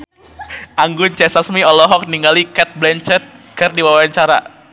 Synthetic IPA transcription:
ʔaŋɡʊnt͡ʃɛsasmiɔlɔɦɔk̚niŋɡalikɛt̪̚blɛnt͡ʃɛt̪̚kɨrdiwawaaɲt͡ʃaɾa̰

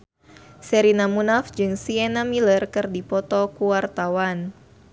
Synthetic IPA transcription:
sɛɾinamunafd͡ʒɨŋsiɛnamilərkɨrdipɔt̪ɔkuwart̪awan

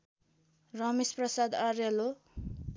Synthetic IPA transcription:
rʌmisprʌsad̪arjʌlo

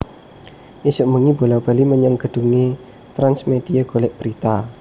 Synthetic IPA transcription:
ʔisʊʔmuŋibo̤lawb̥a̤liməɲaŋɡ̥ə̤ɖ̥ṳŋe | t̪ɾansmed̪̥iəɡ̥o̤lɛʔb̥əɾit̪a

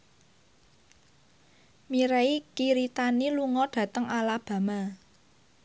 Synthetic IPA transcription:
miɾeikiɾit̪aniluŋɔɖ̥ä̤t̪əŋalab̥a̤ma

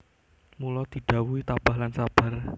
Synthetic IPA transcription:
mulɔd̪̥i̤ɖ̥a̤wuit̪ab̥a̤hlansab̥a̤r

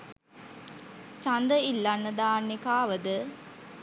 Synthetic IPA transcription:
t͡ʃand̪əilːanːəd̪aːnːikaːʋəd̪ə

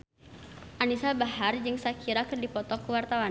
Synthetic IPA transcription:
ʔanisabahard͡ʒɨŋsakʰiɾakərdipɔt̪ɔkuwart̪awan

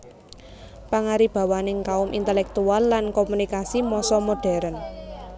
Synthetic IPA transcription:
paŋaɾib̥a̤wanɪŋkaʊmʔḭnt̪ɛlɛk̚t̪ualːankomunikasimɔsɔmoɖ̥ɛ̤ɾən

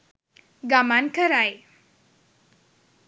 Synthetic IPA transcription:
ɡamankʰəɾaj

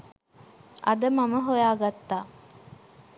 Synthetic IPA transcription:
ʔɐd̪əmɐməɦojaːɡat̪ːaː

